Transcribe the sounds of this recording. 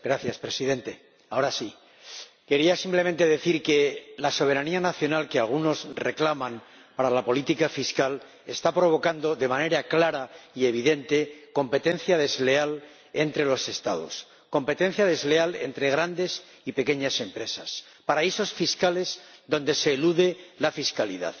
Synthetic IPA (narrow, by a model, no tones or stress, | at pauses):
ɡɾaθjaspɾe̞siðe̞nt̪e̞ | ao̞ɾasi | ke̞ɾiasimple̞ment̪e̞ðe̞θiɾke̞laso̞β̞e̞ɾanianaθjo̞nalkealɣ̞uno̞sre̞klamãm | paɾalapo̞lit̪ikafiskal | e̞st̪apɾo̞βo̞kand̪o̞ðe̞mãne̞ɾaklaɾaie̞β̞iðe̞nt̪e̞ko̞mpe̞t̪e̞nθjaðe̞zle̞al | e̞nt̪ɾe̞lo̞se̞st̪a̰ð̞o̞̰s | ko̞mpe̞t̪ẽ̞n̟θjaðe̞zle̞ale̞̰nt̪ɾe̞ɣ̞ɾand̪e̞s | ipe̞ke̞ɲase̞mpɾe̞sas | paɾaiso̞sfiskale̞zðõ̞nd̪e̞se̞ːluðe̞lafiskalḭða̰ð